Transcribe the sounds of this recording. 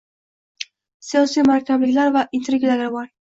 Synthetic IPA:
sijɒsijmaɾɒkʲʰablɪkʲlaɾvaʔɪnt̪ɾeɡʲlalaɾbɒɾ

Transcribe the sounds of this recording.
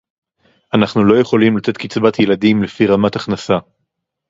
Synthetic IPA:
ʔanaχnulo̞je̞χo̞limlat̪e̞t̪kit͡sbat̪jelad̪imlefiʁamat̪aχnasa

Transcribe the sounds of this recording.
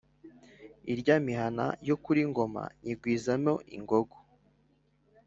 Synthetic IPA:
iɾɟamiɦana̰jokuɾiŋɡo̞ma̰ɲiɡwiːzamo̞ʔiŋɡoɡo̥

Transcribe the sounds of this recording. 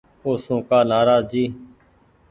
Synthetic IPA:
oːsõːkaːnaːɾaːzd͡ʒiː

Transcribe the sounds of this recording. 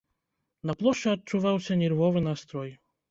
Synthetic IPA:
nɐplˠɔʂt͡ʂɛɐt̚t͡ʂːuvawsʲɐnʲɛrvɔvɨnast̪ɾɔj

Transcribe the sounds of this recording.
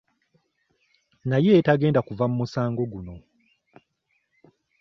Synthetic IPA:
naje̞taɡe̞ːndakuvamumusaːŋɡo̞ɡuno̞

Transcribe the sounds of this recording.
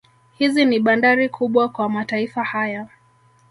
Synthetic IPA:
hiziniɓandaɾikʰuɓwakwamataifahaja

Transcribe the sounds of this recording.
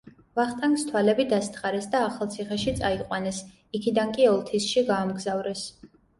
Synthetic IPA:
vaχt̪ʼaŋkst̪ʰwalɛbid̪ast̪ʰχaɾɛsd̪aːχalˠt̪sʰiχɛʃit̪sʼaiqʼwanɛs | ikʰid̪ankʼiɔlˠt̪ʰisʃiɡaːmɡzavɾɛs

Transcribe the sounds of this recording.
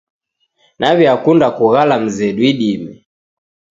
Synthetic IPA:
nʔaβiakundakuɣalam̩zɛɗuiɗimɛ

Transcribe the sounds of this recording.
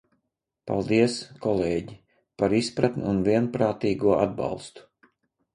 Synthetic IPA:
pa̰lˠd̪iɛskɔlˠeːɟi | paɾispɾat̪nʲuːnvʲiɛnpɾaːt̪iːɡuɔʔa̰d̪̚bɑ̰lˠst̪u̥

